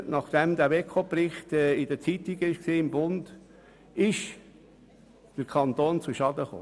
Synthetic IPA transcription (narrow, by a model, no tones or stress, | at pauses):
nɑχd̪̥ɛmd̪æʋekʰopɾɪχt̪ɛɪd̥̪ət͡sit̪iɡəɪʃksiːɪmbʊnd | ɪʃ | d̥əɾkʰɑnt̪oːnt͡suʃɑd̪əχo̰ː